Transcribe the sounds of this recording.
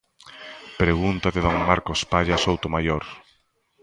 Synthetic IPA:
pɾeɣunt̪aðɪðoŋmaɾkospaʎasowt̪omajoɾ

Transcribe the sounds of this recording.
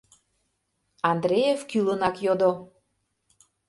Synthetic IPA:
ɑnd̪ɾejefkylənɑkjod̪o

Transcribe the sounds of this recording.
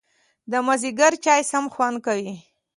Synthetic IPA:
d̪əmaziɡaɾt͡ʃɑjsamxwand̪̚kawi

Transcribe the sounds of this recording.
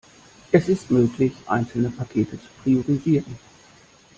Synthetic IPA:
ɛsɪstmøːklɪçʔã̰ɪnsl̩nəpʰakʰeːtʰət͡su̥pʰʁ̥ioʁiziːʁən

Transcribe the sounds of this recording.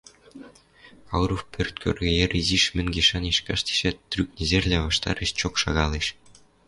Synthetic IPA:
ɑwɾofpʲʰørʲt̪̚ʲkʰʲø̰rʲɡʲĕjerʲiziʃmʲɘ̆nɡʲeʃɑniʃkɑʃt̪ʲi̥ʃæt̪rʲyk̚nʲezʲerʲlʲeʋɑʂt̪ɑ̰ɾʲɘ̆ɕt͡ɕokʃɑ̰ɣɑlʲˠiʃ

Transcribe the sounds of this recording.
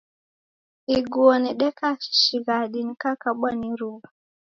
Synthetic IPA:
iɡuɔniɗɛkaʃi̥ʃiɣaɗinikakaɓaniɾuβa

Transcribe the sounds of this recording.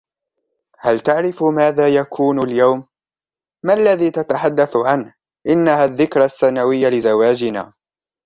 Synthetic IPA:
halt̪aʕɾɪfmaːðaːjakʰuːnaljawmː | aʔlːaðiːt̪at̪aħad̪ːaθʕan | ʔɪnːahaːðːɪkɾˤɑθːanawɪjːalɪzawaːd͡ʒɪna̰ː

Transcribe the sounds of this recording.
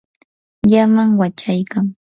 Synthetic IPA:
jamaŋwat͡ʃajkaŋ

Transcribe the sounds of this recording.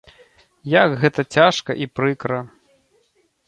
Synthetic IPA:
jaɡɣɛt̪ɐt͡sʲaʂkɐʔipɾɨkɾɐ

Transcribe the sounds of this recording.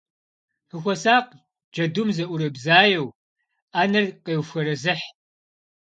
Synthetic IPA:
ħɨxʷɔsaːq | d͡ʒɐdʊmzɐʔʷʊɾɐbzaːjɐw | aːnɐrqeːwfʷɐɾɐzɨħ

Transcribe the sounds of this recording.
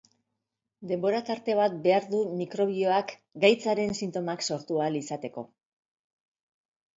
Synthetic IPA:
d̪e̞mbo̞ɾat̪aɾt̪e̞β̞at̪̚be̞aɾðumikɾo̞β̞io̞ak | ɡajt͡saɾe̞nsint̪o̞makso̞ɾt̪ualisat̪e̞ko̞̰

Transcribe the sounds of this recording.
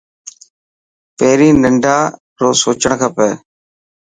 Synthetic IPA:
peɦɾiːnə̃ɳɖʱaː | ɾoːsoːt͡ʃəɽ̃kʰəpə

